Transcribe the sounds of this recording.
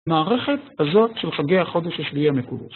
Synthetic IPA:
maːʁeχet̪hazo̞tʃelχaɡejaχo̞d̪eʃaʃljiamekud̪eʃ

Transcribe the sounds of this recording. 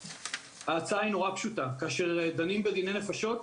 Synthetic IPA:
haːt͡saaino̞ʁapʃutakaːʃe̞ʁed̪animbedinejne̞faʃo̞t̪

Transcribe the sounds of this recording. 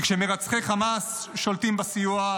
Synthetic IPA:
kʃemeʁat͡sχeχamasʃolt̪imbasijua

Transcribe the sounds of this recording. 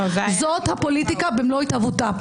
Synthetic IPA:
zot̪hapo̞lit̪ikabemloit̪avut̪a

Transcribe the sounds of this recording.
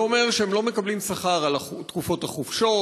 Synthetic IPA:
ome̞ʁʃeemlo̞me̞kablimsaχaʁalat̪kufo̞t̪haχufʃo̞

